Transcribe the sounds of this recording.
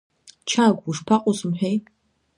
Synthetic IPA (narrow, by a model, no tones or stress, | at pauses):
t͡ʃʰaːɡʷwuʂpʰaqʼʊsʼɨmħʷᶣej